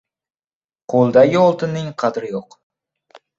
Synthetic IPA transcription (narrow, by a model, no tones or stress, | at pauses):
qʰolˠd̪aɡʲɪolˠt̪ʰɪnːɪŋqʰɑd̪ɾɪjoq